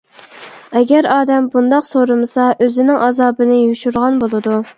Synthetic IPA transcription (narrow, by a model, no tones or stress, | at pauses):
ɛɡʲɛɾɑːd̪ɛmbund̪ɑqsoɾɨmɨsɑʔøzɪnɪŋʔɑzɑːbɨnɪjuʃuɾʁɑnbolˠɨd̪u